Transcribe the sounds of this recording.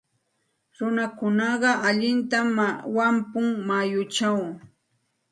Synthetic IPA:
ɾʊnakʊnɑɢɑʔaʎɪnt̪awampʊŋmajʊt͡ʃaw

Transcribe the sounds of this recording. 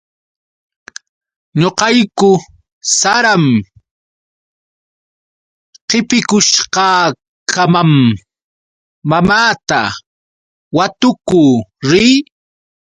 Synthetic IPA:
ɲoqɑjkʊ | saɾam | qɪpɪkʊʃqɑː | kʰamam | amaːt̪a̰ | wat̪ʊkuːɾiː

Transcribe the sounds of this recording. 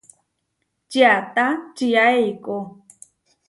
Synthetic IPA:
t͡ʃiat̪at͡ʃijaejko

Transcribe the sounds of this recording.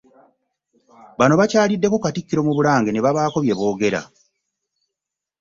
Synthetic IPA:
βano̞βacaːlidːe̞ko̞katikːiɾo̞muβuɾaːŋɡeneβaβaːko̞βje̞βo̞ːɡe̞ɾa̰

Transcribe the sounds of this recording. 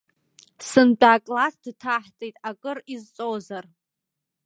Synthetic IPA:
sɨnt͡pʼaːkʼlasdtʰaħt͡sʼejtʼakʼɨrizt͡sʼozar

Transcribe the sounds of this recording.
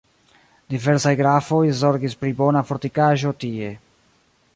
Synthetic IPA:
dive̞ɾsajɡɾafo̞jzo̞ɾɡispɾibo̞nafo̞ɾtikaʒo̞tie̞

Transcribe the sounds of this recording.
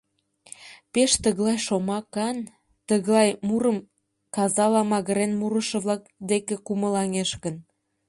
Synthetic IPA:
peʃt̪əɣlɑjʃomɑkɑn | t̪əɣlɑjmuɾəm | kɑzɑlɑmɑɣə̆ɾenmuɾəʃə̆βlɑk̚d̪ekekuməlɑŋeʃkən

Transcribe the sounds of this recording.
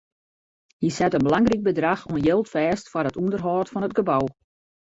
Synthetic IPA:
jisɛtənbəlaŋrik̚bədraxuənjɪlˠtfɛːstfɔrətundərɦɔːtfɔnət̚ɡəbaw

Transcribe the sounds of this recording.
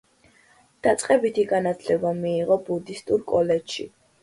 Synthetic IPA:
d̪̥at̪sʼqʼɛbit̪ʰiɡanat̪ʰlɛbamiːʁɔbud̪ist̪ʼuɾkʼɔlɛdʃḭ

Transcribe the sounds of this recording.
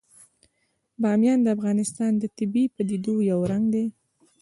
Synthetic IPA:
bɑmjɑnd̪əafɣɑnɪst̪ɑnd̪ət̪ɪbipəd̪id̪ojawɾaŋɡd̪e

